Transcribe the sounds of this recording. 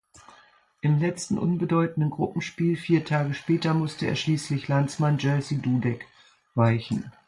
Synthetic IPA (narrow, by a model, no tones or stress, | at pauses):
ʔɪmlɛt͡stn̩ʔʊnbədɔʏtn̩dənɡʁʊpm̩ʃpiːlfiːɐtʰaːɡəʃpɛːtɐmʊstəḛːɐʃliːslɪçlant͡smand͡ʒɛsiduːdɛk | vaɪçn̩